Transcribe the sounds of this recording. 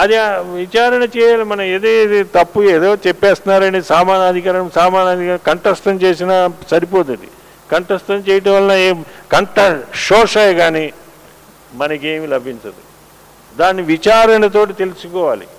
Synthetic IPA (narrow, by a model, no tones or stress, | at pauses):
ɐd̪iʋit͡ʃaːɾɐnɐt͡ʃɛːjaːlimɐnɐmeːd̪eːt̪ɐpːueːd̪oːt͡ʃɛpːeːst̪unːaːɾɐɳɖiisaːmaːnaːd̪ʱikaːɾɐɳɐmsaːmaːnaːd̪ʱikaːɾɐkɐɳʈɐst̪ɐmt͡ʃeːsinaːsɐɾip̬oːt̪̬ɐd̪ḭ | kɐɳʈɐst̪ɐmt͡ʃɛːjɐʈ̬ɐmʋɐlɐnɐekɐɳʈɐʂɔːʂɐjɐɡaːni | mɐnɐkeːmilɐbʱiɲt͡ʃɐd̪i | d̪aːnːiʋit͡ʃaːɾɐnɐt̪̬o̞ːʈit̪e̞lisukɔːʋa̰ːlḭ